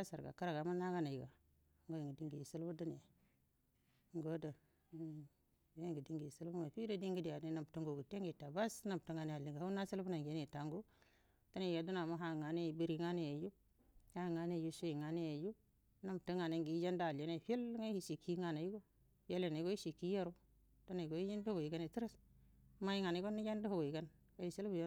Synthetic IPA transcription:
a˦sa˨ɾɡa̰˨ka˦ɾa˨ɡa˨ma˦na˦ɡa˦na˨ji˨ɡa˨˦ | ŋɡo˦ji˨ŋɡi˨di˦ŋɡi˨i˨su˦lbu˦du˦ni˨a˨ | ŋɡo˦da˨˦˨ | we˦ŋɡi˨di˦ŋɡi˨ji˨su˦lbu˦ma˨fi˦da˦di˦ŋɡi˦di˨ja˨di˦na˨m˨tu˦ŋɡo˨ɡu˨te˦ŋɡi˨ta˨ba˦sna˨m˨tu˦ŋa˨ne˦a˨li˨ŋɡa˨ha˦u˦na˦si˦lbu˦na˨ŋɡe˦ne˨ta˨ŋɡu˦ | to˦ne˨a˨du˦na˨ma˦ɦa˦˨ŋa˨ne˦˨bi˦ɾi˦˨ŋa˦ne˦˨ja˨ju˦ | ha˦˨ŋa˦ne˦˨ju˦so˦i˨ŋa˨ne˦ja˨ju˦ | na˦˨m˨tu˦ŋa˨ne˨ŋɡi˨˦d͡ʒa˦nda˦˨le˨˦ne˦˨fe˦lŋa˦hi˨ʃi˨kːi˦ŋa˨na˨ji˦ɡo˦ | fe˦le˨na˨i˦ɡo˦i˦ʃi˨kːi˦ja˦ɾu˦ | to˦ne˨ɡo˨˦i˦ji˦ndho˦ɡo˨i˨ɡa˦ne˨ti˦ɾa˦s | ma˦i˦ŋa˨na˨˦ɡo˦nːi˦d͡ʒa˦ndu˦ho˦˨ɡo˨i˨ɡa˦n | ka˦˨ji˨si˦lbu˦˨jo˦

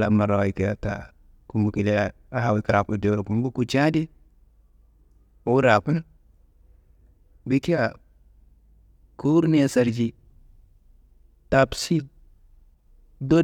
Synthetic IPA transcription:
la˨ma˨ɾa˨i˨ki˨˦ja˨ta̰˨ | ku˨mu˨ki˨le˦a˦˨ | a˦ɦa˨wi˦ka˨ɾa˨pu˦˨de˨˦ɾo˨ku˨m˦ɡu˦ku˨t͡ʃa˦di˦ | o˦ɾa˨pu˦na˦ | wi˦ki˦ja˨ | ku˦ɾne˦sa˨ɾd͡ʒi˦ | ta˨psi˦ | do˦

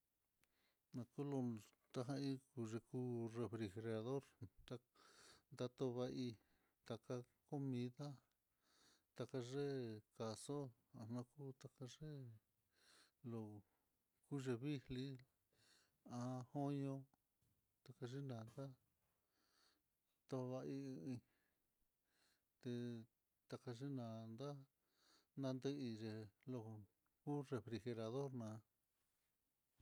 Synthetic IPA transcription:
nã˧ku˦lo˧ | t̪a˧ɦã˧i˦ku˧ʐe˧ku˦re˧fɾi˧xe˧ɾa˧ðo˦ɾt̪a˧nd̪a˧t̪o˧βa˧ʔi˧ | t̪a˧ka˧ | ko˦mĩ˧ða˦ | t̪a˧ka˧ʐe˦ka˨so˦ | ã˧nã˧ku˦t̪a˧ka˧ʐe˦ | lo˧˨ | ku˦ʐe˧βi˦li˦ | ã˧ho˦ɲõ˧ | t̪a˧ka˧ʐi˦nã˨nd̪a˦ | t̪o˧βa˧i˧ĩ˧ | t̪e˧ | t̪a˧ka˧ʐi˦nã˨nd̪a˦ | nã˧nd̪e˦i˧ʐe˧˨lo˧ | ku˦re˧fɾi˧xe˧ɾa˧ðo˦ɾnã˨˧

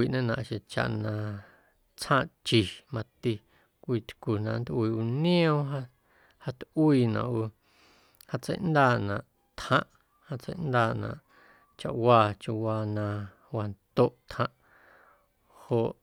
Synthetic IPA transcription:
iː˨ʔnẽ˦nã̰˧˨ʔʃẽ˨t͡ʃa̰˨ʔnã˧ | t͡shãː˦˧ʔt͡ʃi˨mã˧t̪i˧ | kʷiː˧t̪ku˨nã˨ʔnd̪ʔwiː˧˨ʔu˧nĩ˦õ˦ɦa˦ | ha˧t̪ʔwiː˦˧˨nã̰˨ʔu˧ | ha˧t͡sə̰˧˦jʔnd̪aː˧˨nã˨ʔ | t̪hã˧˦ʔ | ha˧t͡sə̰˦jʔnd̪aː˧˨ʔnã̰˨ʔ | t͡ʃa̰˨ʔwaː˧t͡ʃu˧waː˧nã˧ | wa˧nt̪o˦˨ʔt̪hã˧˦ʔ | ho˨ʔ

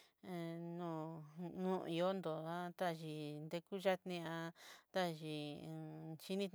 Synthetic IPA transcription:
nũ˦˨nũ˦˧i˧o˦nd̪o˨a˦t̪a˦˨ʒi˨nd̪e˧ku˦ʒa˦t̪nĩ˧ã˧t̪a˦ʒĩ˧˨˧ | ʃi˦nĩ˦t̪

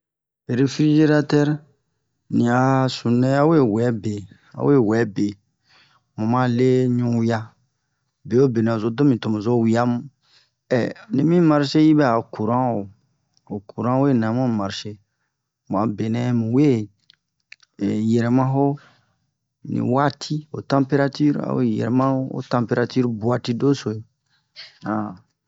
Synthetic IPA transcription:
e˨ɾe˨fɾi˦d͡ʒe˦ɾa˦tɛ˦ɾ | nĩ˨a˨sũ˨nɛ̃˦a˦we˦wɛ˨˦be˨ | a̰˨˦we˦˨wɛ˨˦be˨ | mũ˨mã˦le˦ɲũ˦ja˦ | be˨o˦be˨nɛ̃˨o˨zo˦do˦mĩ˨to˨mõ˨zo˦˨wi˨˦a˦mũ˦ | ɛ̰˨nĩ˨mĩ˦ma˦ɾʃe˦ji˦bɛ˦a˨ku˨ɾã˦o˨ | o˨kʰu˨ɾã˦we˦˨nã˨mũ˦˨ma˨ɾʃe˦ | m˨ã˨be˨nɛ̃˦mũ˨we˦˨ | jɛ˨ɾɛ˨mã˦ɦo˦ | nḭ̃˨wa˦tʰi˦o̰˨tã˦mpe˦ɾa˦ti˦ɾa̰˨wḛ˦jɛ̰˨ɾɛ˨mã˦o˦o̰˦tã˨mpe˦ɾa˧ty˦ɾbu˨a˨ti˦do˦so˨i˦ | ã˨

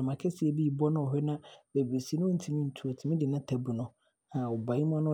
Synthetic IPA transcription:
mã˨kʰɛ˦si˨ɛ˨bi˦i˨bɔ˦nʊ̃˦ɔ˨ɦɛ˦nã˦be˨be˨si˨˦nʊ̃˦o˦n̩˨tʰi˨mĩ˦n̩˨tʰu˨a˨tʰi˨mĩ˦dɪ˨nã˦tʰɛ˨bu˨nʊ̃˨ | ã˨ɔ˨bã˨˦i˦m˦ɔ̃˦nʊ̃˦

